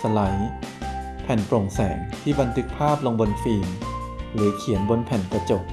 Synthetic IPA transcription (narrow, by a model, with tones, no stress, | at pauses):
sa˧la˩˦j | pʰɛ˨˩npɾo˨˩ŋsɛː˩˦ŋt̪ʰiː˥˩ba˧nt̪ʰɯ˦˥k̚pʰaː˥˩p̚lo˧ŋbo˧nfiː˧m | ɾɯː˩˦kʰi˨˩˦ənbo˧npʰɛ˨˩nka˧t͡ɕo˨˩k̚